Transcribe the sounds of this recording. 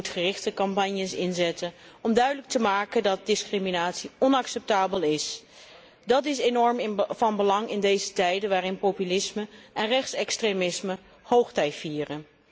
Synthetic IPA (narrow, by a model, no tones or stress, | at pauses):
utχərɪχtəkɑmpɑɲjəsɪnzɛtənɔmdœɥdələk̚təmaːkəndɑt̚dɪskriminaːtsiɔnɑksɛp̚taːbəlɪs | dɑtɪsenɔɹmɪvɑnbəlɑŋɪndejzətɛjdənʋaːrɪnpowpylɪsməʔɛnrɛχtsɛkstremɪsmə | howχtɛjtfiːrən